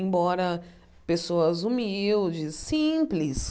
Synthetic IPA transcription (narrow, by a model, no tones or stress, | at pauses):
bɔɾɐ | pesoɐzumiwd͡ʒɪsːĩplɪs